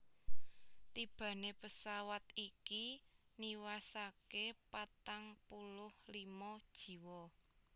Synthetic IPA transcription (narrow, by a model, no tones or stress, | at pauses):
t̪ib̥ä̤nepəsawat̪ikiniwasakepat̪aŋpulʊhlimɔd̥ʒ̥i̤wɔ